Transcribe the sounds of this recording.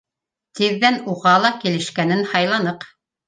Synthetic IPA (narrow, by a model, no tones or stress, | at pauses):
t̪iðːænuʁɑlˠɑkilɘ̆ʃkænɘnhɑjlˠɑnɤq